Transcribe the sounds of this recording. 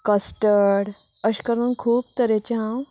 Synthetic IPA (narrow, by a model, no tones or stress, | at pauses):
kəsʈəɽ | əɕkəɾuːnkʰuːp̚t̪əɾet͡ɕeɦãw